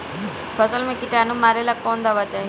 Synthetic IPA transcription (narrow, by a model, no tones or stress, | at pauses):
pʰəsəlmẽkɪʈanũmaɾelakɔːnd̪aʋat͡ʃaːɦi